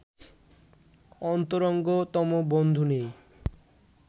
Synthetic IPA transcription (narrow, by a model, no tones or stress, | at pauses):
ɔnt̪oɾɔŋɡot̪ɔmobond̪ʱunej